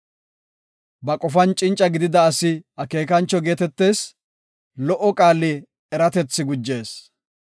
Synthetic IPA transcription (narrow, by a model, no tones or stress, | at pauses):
bɐkʼɔfɐnt͡ʃʼɪnt͡ʃʼːɐɡɪd̪ɪd̪ɐːsɪɐke̞ːkɐnt͡ʃːɔɡe̞ːt̪ɛt̪ːe̞ːs | lɔʔɔkʼaːlːɛ | ɛɾɐt̪ɛt͡sːɪɡʊd͡ʒːe̞ːs